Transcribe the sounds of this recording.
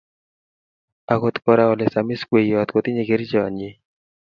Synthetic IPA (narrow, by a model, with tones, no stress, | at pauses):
a˨ko˨t̪kɔ˧ɾa˦ɔ˨lɛ˨sa˨mi˦skwe˨ja˨t̪ko˨t̪i˦ɲe˨ɡe˨˦ɾi˦d͡ʒɔ˨a̰˨ɲe˦